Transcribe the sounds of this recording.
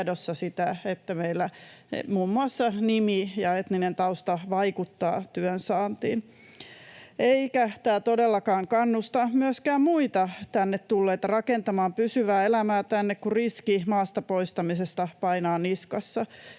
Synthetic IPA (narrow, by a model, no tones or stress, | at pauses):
dosːɑsit̪æet̪ːæmeilːæmuːmːuɑsːɑnimijɑet̪ninent̪ɑust̪ɑʋɑikut̪ːɑ̰ːt̪yønsɑːnt̪ḭːn | ʔeikæt̪æːt̪odelːɑkɑːŋkɑnːust̪ɑmyøskæːmmuit̪ɑt̪ænːet̪t̪ulːeːt̪rɑkent̪ɑmɑːmpysyʋæːelæmæːt̪ænːekkuriskimɑːst̪ɑpoist̪ɑmisest̪ɑpɑinɑːniskɑsːɑ